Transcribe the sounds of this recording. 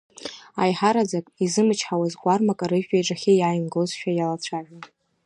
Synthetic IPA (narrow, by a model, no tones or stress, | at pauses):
ajħaɾad͡zakʼizɨmɨt͡ʃʰħawazɡʷʼarmakʼaɾɨʒᶣajʈ͡ʂʼaχʲajajmɡozʃᶣajalat͡ɕʷʰaʒʷᶣa